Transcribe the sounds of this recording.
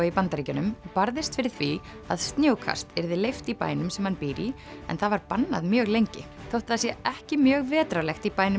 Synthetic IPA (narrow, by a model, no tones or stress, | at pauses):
ipant̪aɾiːcʏnʏmpaɾðɪst̪fɪɾɪɾ̥θvi | a̰ðst̪njoːwkʰa̰st̪ɛɾðɪlejft̪ipa̰ːjnʏmsɛmhanpiːɾi | ɛ̰nθavaɾpanːa̰ðmjœːɣlejɲcɪ̰θowht̪aðasjɛɛhcɪmjœːɣvɛːt̪ɾawlɛxt̪ipaːjnʏ